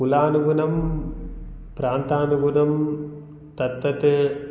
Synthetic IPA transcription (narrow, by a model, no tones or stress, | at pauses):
ulaːnuɡunɐm | pɾaːnt̪aːnuɡunɐm | t̪ɐt̪ːɐt̪eː